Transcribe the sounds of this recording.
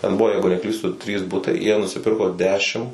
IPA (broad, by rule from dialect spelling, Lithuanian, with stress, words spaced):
tʲɛn ˈbʊʋoː ˈjɛɪɡʊ nʲɛˈklʲiːstʊ tʲrʲiːs ˈbʊtɐɪ jiɛ nʊsʲɪˈpʲɪrkoː ˈdʲæːʃʲɪm